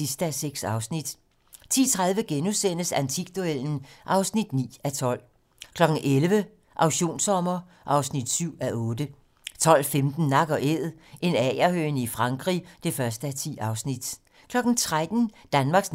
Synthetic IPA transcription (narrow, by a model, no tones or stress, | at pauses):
isd̥əæseɡ̥sɑ̈ʊsnid̥ | t͡sʰḭːt͡sʰʁaðˠʋəɡ̥enusen̰əsænt͡sʰiɡ̥̚d̥uel̰n̩ʔɑ̈ʊsnid̥nḭːæt͡sʰɒ̽l̰ | kʰlɒ̽ɡ̥n̩ʔelʋə | ʔɑ̈ʊɕo̝̰ːnsɒ̽mɐ | ʔɑ̈ʊsnid̥syʊ̰æʔɔ̽ːd̥ə | t͡sʰɒ̽l̰femd̥n̩nɑ̈ɡ̥ɒ̽ʔeðˠ | ʔe̝nɛ̰ːæhøːnifʁɑ̈ŋɡ̥ʁḭːd̥e̝fɶɐsd̥əæt͡sʰḭːɑ̈ʊsnid̥ | kʰlɒ̽ɡ̥n̩t͡sʰʁad̥n̩d̥ænmɑ̈ːɡ̥s